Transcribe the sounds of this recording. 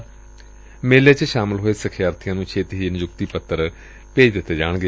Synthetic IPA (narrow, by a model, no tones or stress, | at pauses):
meːleːt͡ʃʃaːmɪlɦoːeːsəkʰjaːɾt̪ʰɪjãːnũːt͡ʃʰeːt̪ɦiːnɪd͡ʒʊkt̪iːpət̪ːəɾ | peːd͡ʒd̪ɪt̪ːeːd͡ʒaːɳɡeː